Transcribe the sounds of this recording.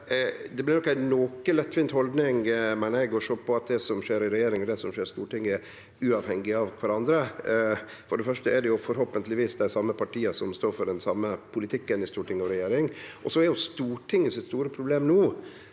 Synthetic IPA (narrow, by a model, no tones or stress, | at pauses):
d̪ɛblɪɾnɔkːæɪnoːkəlɛt̪ːfiːnt̪hɔld̪nɪŋmɛnæɪɡɔʂɔpʰɔɑt̪̚d̪ɛsɔmʂeːɾɪɾɛjeːɾɪŋɔd̪ɛsɔmʂeːɾst̪uːʈɪŋːəɛɾ | ʉɑːʋhɛŋɡɪɑʋkʰʋɑɾɑnd̪ɾə | fɔɖɛfœʂʈəɛɖɛjʊfɔɾɦoːpənt̪lɪʋiːsd̪æɪsɑmːəpɑʈʰiːɑsɔmst̪oːɾfɔɖɛnsɑmːəpʰʊlɪt̪ʰɪkːənɪst̪uːʈʰɪŋəɑʋɾɛjeːɾɪŋʔɔsɔɛɾɛjʊst̪uːʈʰɪŋːəsɪt̪st̪uːɾəpʰɾʊbleːmnuː